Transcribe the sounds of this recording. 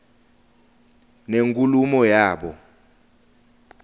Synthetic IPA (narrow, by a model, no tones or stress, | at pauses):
neŋkʼulumɔjaːɓɔ̰